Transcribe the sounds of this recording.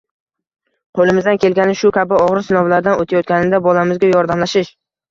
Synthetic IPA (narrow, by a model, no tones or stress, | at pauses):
qʰolˠɪmɪzd̪ankʲʰe̞lɡʲanɪʃʊkʲʰabɪɒʁɾɪsɪnɒvlaɾd̪anot̪ʰajɒt̪̚kʲanɪnd̪abɒlamɪzɡʲajɒɾd̪amlaʃɪʃ